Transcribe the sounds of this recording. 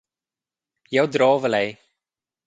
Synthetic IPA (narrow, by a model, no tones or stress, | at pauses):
jœwdrɑːvəlɛj